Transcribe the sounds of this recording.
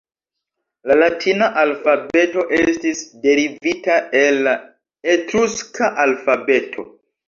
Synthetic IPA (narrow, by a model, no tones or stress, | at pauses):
lalatʰinaʔalfabe̞to̞ʔestisde̞ɾivitaela | etɾuskʰaʔalfabe̞tʰo̞̰